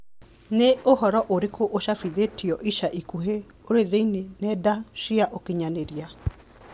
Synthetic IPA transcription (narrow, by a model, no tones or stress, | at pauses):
neohɔɾɔʔoɾekʰoʔoʃafiðetiɔʔiʃaʔikuɦe | oɾeðeinenɛdaʃiaʔokeɲaneɾia